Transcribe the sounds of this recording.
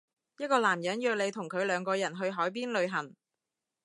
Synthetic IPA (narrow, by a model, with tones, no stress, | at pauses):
jɐ˥t̚kɔː˧laː˨˩mjɐ˨˥njœː˧k̚le˨˧jt̪ʰʊ˨˩ŋkʰɵ˨˧ɥlœː˨˧ŋkɔː˧jɐ˨˩nɦɵ˧ɥɦɔː˨˥jp̬iː˥nlɵ˨˧ɥɦɐ˨˩ŋ